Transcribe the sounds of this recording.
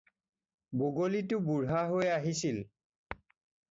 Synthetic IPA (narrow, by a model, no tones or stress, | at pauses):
boɡolitʊbuɹɦaɦojaɦisil